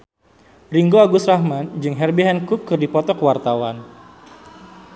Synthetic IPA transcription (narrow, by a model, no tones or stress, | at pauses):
riŋɡoaɡʊsrahmand͡ʒɨŋɦɛrbiɦɛnkukːɨrdipɔt̪ɔkəwart̪awan